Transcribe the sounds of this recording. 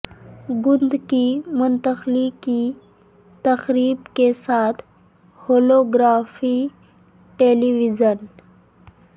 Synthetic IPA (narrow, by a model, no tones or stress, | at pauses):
ɡund̪kimunt̪əxliki | t̪əxɾiːbkesat̪ʰ | holoɡɾafi | ʈeliʋid͡ʑən